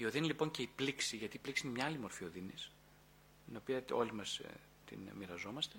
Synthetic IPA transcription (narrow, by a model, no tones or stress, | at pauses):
io̞ðinilipo̞ɲce̞ipliksiʝɐt̪iːpliksiinemɲɐɐlimo̞ɾfio̞ðinis | t̪ino̞piɐo̞̰limɐs | t̪ḭnmiɾɐzo̞mɐst̪e̞